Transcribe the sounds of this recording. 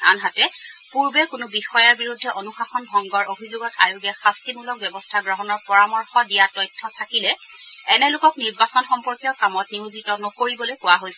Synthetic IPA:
a̰nɦatɛ | puɹbɛkʊnʊbixɔjaɹbiɹudʱːɛʔonuxaxɔnbʱɔŋɡɔɹobʱizoɡɔtajʊɡɛxastimulɔk̚bɛbɔstʰaɡɹɔɦɔnɔɹpɔɹamɔɹxɔdijatɔjtʰːɔtʰakilɛ | ɛnɛlʊkɔkniɹbasɔnxɔmpɔɹkijɔkamɔtniuzitɔnɔkoɹibɔlojkʊwaɦojsɛ

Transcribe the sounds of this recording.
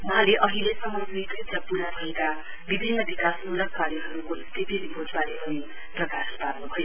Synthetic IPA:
wʌɦãleʔʌɦilesʌmːʌsut̪rit̪ʌpuɾabʱʌeka | bibʱinːʌbikasulʌk̚paliɦʌɾukoikt̪ipʰiripord͡zbalepʌni | prʌkasparnubʱʌjo

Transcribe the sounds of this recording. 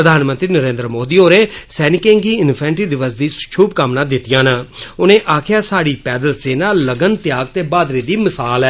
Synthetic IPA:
ɾəd̪ʱaːnmənt̪ɾiːnəɾẽːnd̪ɾəmoːd̪iːoːɾeːsɛːnɪkẽːŋɡiːɪnpʰɛ̃ːnʈiːd̪ɪʋəs̬d̪iːt͡ʃʰuːb̚kaːmnãːd̪ɪt̪ijãːnãːʊnẽːʔaːkʰɪjaːsaːɽiːpɛːd̪əlseːnaːləɡənt̪ɪjaːɡ̚t̪eːbaːd̪ɾiːd̪iːməsaːlɛː

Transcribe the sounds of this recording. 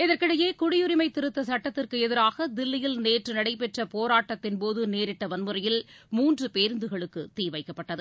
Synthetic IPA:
ɪðɐrkɪɽɐjeːkʊɽɪjʊɾɪmɐɪt̪ːɪɾɯt̪ːɐsɐʈːɐt̪ːɪrkɯɛðɪɾaːɣɐd̪ɪlːɪjɪlneːʈrɯnɐɽɐɪpɛʈrɐpoːɾaːʈːɐt̪ːɪnpoːðɯneːɾɪʈːɐʋɐnmɯɾɐjɪlmuːndrɯpeːɾɯnd̪ɯɣɐɭɯkːɯt̪ːiːʋɐɪkːɐpːɐʈːɐðɯ

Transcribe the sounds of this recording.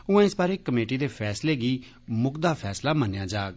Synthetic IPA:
ʊɛ̃ːɪsbaːɾeːkəmeːʈiːd̪eːpʰɛːsleːɡiː | mʊkd̪aːpʰɛːslaːmənjãːd͡ʒaːɡ

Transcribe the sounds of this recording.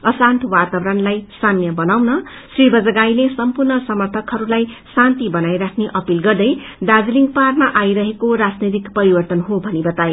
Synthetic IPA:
ʌsant̪ʰwat̪abɾʌnlajsanjʌbʌnawnʌ | sribʌd͡zʌɡajlesʌmpurnʌsʌmʌrt̪ʰʌkɦʌɾulaj | sant̪ibʌnajɾakʰneʔʌpilɡʌrd̪ʌj | d̪ad͡zliŋɡparmaʔajɾʌɦekoɾad͡znʌjt̪ikpʌɾibʌrt̪ʌnɦobʱʌnibʌt̪ae

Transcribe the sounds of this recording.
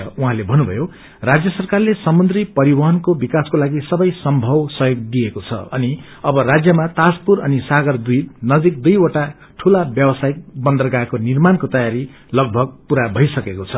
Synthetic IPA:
uɦãlebʱʌnubʱʌ̰jo | rad͡zjʌsʌrkarlesʌmnd̪ripʌɾibʌɦʌnkobikaskolaɡisʌbʌjsʌmbʱʌwsʌjoɡ̚d̪iekot͡sʰʌ̰ʌni | ʌbʌɾad͡zjʌmat̪aspuɾʌnisaɡʌrd̪id̪nʌd͡zik̚d̪ujoʈa | ʈʰulabjʌbʌsaik̚bʌnd̪ʌrɡakonirmankot̪ʌjaɾi | lʌɡ̚bʱʌɡ̚puɾabʱʌjsʌkekot͡sʰʌ

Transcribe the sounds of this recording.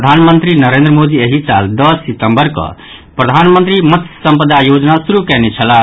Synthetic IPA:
d̪ʱanmənt̪ɾinəɾend̪ɾəmod̪ieɦit͡ʃa̰ld̪ʌsːit̪əmbəɾkʌ̰ | pɾəd̪ʱanmənt̪ɾimət̪sə̃mpəd̪ajod͡ʒnasuɾukɛnet͡ʃʰəla

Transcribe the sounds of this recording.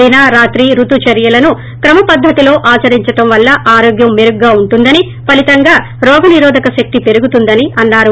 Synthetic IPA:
inaɾaːt̪ɾiɾut̪ut͡ʃɐɾjɐlɐnu | kɾɐmɐpɐd̪ʱːɐt̪ilo̞ːʔaːt͡ʃɐɾiɲt͡ʃɐʈɐmʋɐlːɐʔaːɾoːɡjɐmːeɾuɡːaːuɳʈund̪ɐni | pɐlit̪ɐŋɡaː | ɾɔːɡɐniɾɔːd̪ʱɐkɐʃɐk̚t̪ipe̞ɾuɡut̪und̪ɐniʔɐnːaːɾu

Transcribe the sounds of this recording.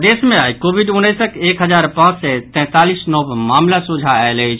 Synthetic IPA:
d̪esmeajkobʱiɖunːəjsəkekɦəd͡ʒaɾpãt͡ʃsɛt̪ɛ̃t̪alisnɔbmamlasud͡ʒʱaɛlət͡ʃʰ

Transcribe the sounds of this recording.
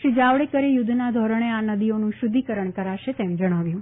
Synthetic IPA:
ʃid͡ʒaʋɽekəɾejʊd̪ʱnad̪ʱɔɾəɳ̃eanəd̪ionũʃʊd̪ʱikəɾəɳkəɾaʃet̪emd͡ʒəɽ̃aʋjũ

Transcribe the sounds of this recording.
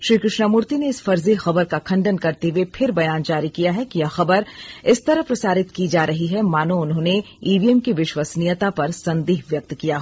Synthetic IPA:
ʃɾiːkɾɪʃnamʊɾt̪ineɪsfɐɾzexɐbəɾkakʰɐ̃ɳɖənkɐɾt̪ewepʰɪɾbɐjaːnd͡ʒaːɾikijaɦɛkijaxɐbəɾɪst̪ɐɾəɦpɾɐsaːɾɪt̪kid͡ʒaːɾɐɦiɦɛmaːnoʊnɦõːne | iːʋiɛmkiʋɪʃwasnijət̪apɐɾsɐ̃nd̪iːɦʋjɐk̚t̪kijaɦoː

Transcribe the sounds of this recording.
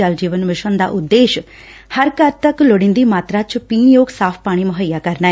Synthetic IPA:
əld͡ʒiːʋənmɪʃənd̪a̰ːʔʊd̪ːeːʃ | həɾkəɾt̪əklʊɽɪ̃nd̪iːmaːt̪ɾaːt͡ʃpiːnjoːɡsaːpʰpaːɽ̃iːmʊɦəjaːkəɾnaːɛ

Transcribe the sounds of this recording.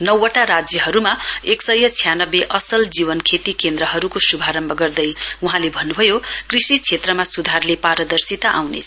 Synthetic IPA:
nʌwʌʈaɾad͡zjʌɦʌɾumaeksʌjːʌt͡sʰijanʌbeʔʌsʌld͡ziβʌnkʰet̪ikend̪ɾʌɦʌɾukosubʱaɾʌmbʱʌɡʌrd̪ʌjuɦãlebʱʌnːubʱʌjokrisit͡sʰet̪rʌmasud̪ʱarlepaɾʌd̪ʌrsit̪aʔawnḛt͡sʰ

